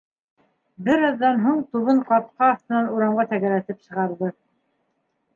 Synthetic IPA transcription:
bɘɾɑðːɑnɦuɴt̪uβɤɴqɑt̪̚qɑːθt̪ɤ̆nɑnuɾɑɴʁɑt̪æɣælæt̪ɘpsɤ̆ʁɑɾðɤ

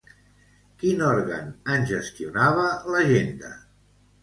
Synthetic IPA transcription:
kinɔɾɣə̰nənʲʒəst̪iunaβələʒend̪ə̰

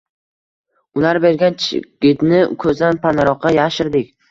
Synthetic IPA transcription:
ʊlaɾbe̞ɾɡʲant͡ʃʰɪ̰ɡ̥ʲɪt̪nɪkʰɵzd̪anpʰanaɾɒqʰːɑjaʃɪɾd̪ɪkʲ

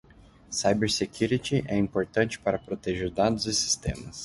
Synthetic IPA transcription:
sajbeɾsekjuɾit̪ɪʔɛĩpoɾt̪ɐ̃nt͡ʃɪ̥paɾɐpɾot̪eʒeɾd̪ad̪ʊzɪsi̥st̪ḛ̃mɐ̰s

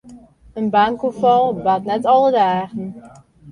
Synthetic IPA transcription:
ənbaŋkufɑlˠbaːtnɛtɑlˠədaːχən

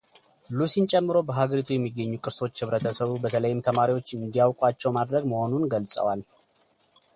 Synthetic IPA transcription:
lusint͡ʃʼɛmːɨɾobəɦaɡəɾit̪ʰujɛmːiɡːəɲːukʼɨɾso̞t͡ʃːhɨβɾət̪ʰəsəβubət̪ʰələjɪmt̪ʰəmaɾiwo̞t͡ʃːɨnd̪ijawkʼwat͡ʃːɛwmad̪ɾəɡməho̞nunɡəlsʼə̰wal

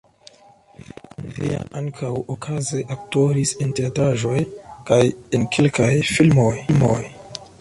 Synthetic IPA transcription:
vḭa̰ʔaŋkʰawokʰaze̞ʔak̚to̞ɾisenteatɾaʒo̞jkajenkʰelkajfilmo̞jlmo̰j

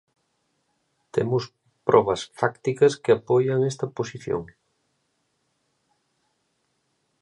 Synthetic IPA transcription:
t̪ḛmʊs | pɾʔɔβɐsfakt̪ikɐskɪapɔjɐŋest̪ɐposiθjo̰ŋ

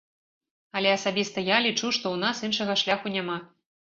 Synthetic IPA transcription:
ɐlʲɛɐsabʲist̪ɐjalʲit͡ʂuʂt̪ɔwnasinʂɐɣɐʂlʲaxunʲama

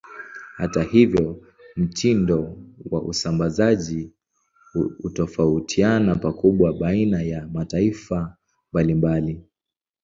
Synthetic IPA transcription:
hatahivjɔ | m̩tʰindɔwa̰ʔṵsambazaʄi | utɔfautʰianapakuɓwaɓainajamataifa | mbalimbali

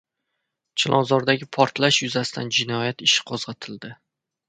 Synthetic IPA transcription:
t͡ʃʰɪlˠʔɒ̰nzɒɾd̪aɡʲɪpʰɒɾt̪ʰlaʃjʊzasɪ̥t̪ʰa̰nd͡ʒɪnɒjat̪ɪʃɪ̥qʰozʁɑt̪ʰɪld̪ɪ

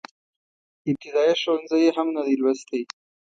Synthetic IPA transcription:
ɪb̚t̪ɪd̪ɑjaʃonzajeɦamnad̪ilwast̪e

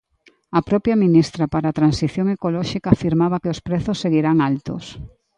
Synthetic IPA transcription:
ɐpɾɔpjɐminist̪ɾɐpaɾaːt̪ɾansiθjoŋekolɔʃikaːfiɾmaβɐkeospɾɛθosːeɣiɾaŋalt̪o̰s

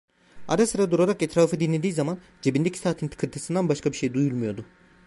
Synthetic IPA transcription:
a̰ɾasɯɾad̪uɾaɾaket̪ɾaːfɯd̪inlʲe̞d̪iːzaman | d͡ʒebind̪ecʰi̥saːt̪ʰint̪ʰɯ̥kʰɯɾt̪ʰɯsɯnd̪anbaʃkʰabiʃe̞jd̪ujulˠmujo̞d̪ʊ

